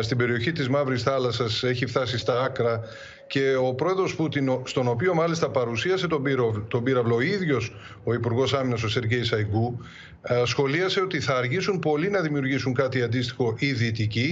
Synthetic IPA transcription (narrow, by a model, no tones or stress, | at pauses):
st̪ibe̞ɾio̞çit̪izmɐvɾisθɐlɐsɐse̞çift̪ɐsist̪ɐɐkɾɐ | ce̞o̞pɾo̞eðɾo̞sput̪inost̪o̞no̞pio̞mɐlist̪ɐpɐɾusiɐse̞t̪oɾt̪o̞biɾɐvlo̞iðʝo̞s | o̞ipuɾɣo̞sɐminɐs̬o̞se̞ɾʝe̞jsɐjɡu | sxo̞liɐse̞o̞t̪iθɐːɾʝisumpo̞linɐðimiuɾʝisuŋkɐt̪iɐnd̪ist̪i̥xo̞ʔiðit̪ici